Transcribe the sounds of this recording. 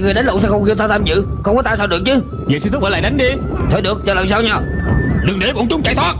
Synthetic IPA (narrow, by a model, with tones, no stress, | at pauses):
ŋ˨˩əɗa˨˦ŋ̟lʊ̰˧˨sɛ̰˧˥xə˧wŋ͡mki˧wt̪ʰaː˧wt̪ʰaː˧mzɨ̰˧˨xə˧wŋ͡mkɔ˨˦t̪aː˧sɔː˧˩ɗɨ˨˩ək̚t͡ɕɨ˨˧˦ | vḛ˨˧˨sɨ˧t̪k̚ʔəː˨˧˦laː˧˨jɗa˨˦jŋ̟ɗi˧ | t̪ʰe˧˦ɗɨ˨˩ək̚t͡ɕɔ˧ləː˨˩jsaː˧wɲɔ˧˩ɗɨ˨˩ŋɗe˨˦ɓo̰˨˧˥ŋt͡ɕʊ˨˦wŋ͡mt͡ɕa̰˧˨t̪ʰaː˦˥t̚